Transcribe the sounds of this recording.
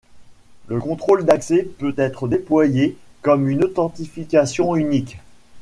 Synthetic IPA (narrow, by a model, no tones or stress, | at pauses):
ləkɔ̃t̪χold̪aksɛpøt̪ɛt̪χəd̪eplwajekɔmynot̪ɑ̃t̪ifikʲasjɔ̃ynik